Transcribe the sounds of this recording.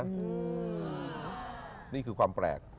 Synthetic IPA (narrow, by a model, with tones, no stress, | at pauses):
niː˥˩kʰɯː˧kʰwaː˧mpɾɛ̰ː˨˩k̚